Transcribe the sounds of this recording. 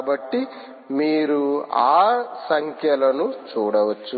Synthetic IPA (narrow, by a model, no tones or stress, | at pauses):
bɐʈːi | miːɾuaːsɐŋkʰjɐlɐnut͡ʃuːɽɐʋɐt͡ʃːu